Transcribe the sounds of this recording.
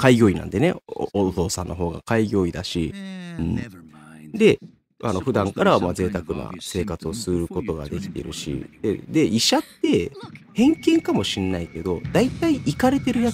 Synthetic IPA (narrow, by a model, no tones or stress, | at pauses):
kaiɡʲo̞ːinã̰nd̪e̞neot̪o̞ːsã̰nːo̞ɦo̞ːɡa̰kaiɡʲo̞ːid̪aɕiɯ̟̃ːɴ | d̪e̞ | ano̞ɸɯ̟d̪ãŋkaɾamad͡ze̞ːt̪akɯ̟na̰se̞ːkat͡sɨo̞sɨɾɯ̟ko̞t̪o̞ɡa̰d̪e̞kʲi̥t̪e̞̰ɾɯ̟̰ɕḭd̪̥ḛd̪e̞ʔiɕat̪ːe̞hẽ̞ŋkẽ̞ŋkamo̞ɕĩnːaike̞d̪o̞d̪ait̪aiʔikaɾe̞t̪e̞ɾɯ̟ja